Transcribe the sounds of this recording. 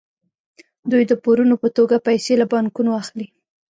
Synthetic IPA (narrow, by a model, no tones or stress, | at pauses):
d̪ujd̪əpoɾunopət̪oɡapajselabɑŋkunaaxli